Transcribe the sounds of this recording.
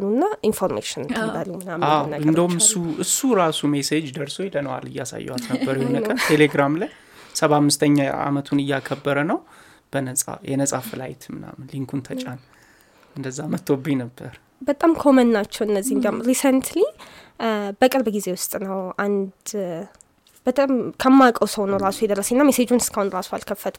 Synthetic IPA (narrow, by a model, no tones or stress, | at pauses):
lunːaʔinfoɾmḛʃɪnt̪ʰɨmbalːumɨnamːawnaɨnd̪əhumɨsːuʔɨsːuɾasumesed͡ʒd̪əɾsojlənəwa̰lɨjːasa̰jːɛ̰wat̪nəbːəɾjɛhonəət̪ʰeleɡɾamlaj | səβamːɨst̪ʰəɲːaa̰mət̪ʰunɨjːakʰəbːəɾənəw | b̥ənəsʼa̰jɛnəsʼafɨla̰jɪt̪ʰmɨna̰mːnliŋkʰunt̪ʰət͡ʃʼan | ʔɨnd̪əzːamət̪ːobinəbːəɾ | bət̪ʼamkʰomənːat͡ʃːɛwɨnːəzːihnd̪amɾisənt̪li | bəkʼɨɾbɡize̞wʊst̪ʼnəwʔand̪ | bət̪ʼamkʰəmːakʼəwsəwnəwɾasujɛd̪əɾəsenːamesed͡ʒunɨskʰahunɾasualkʰəfːət̪ʰ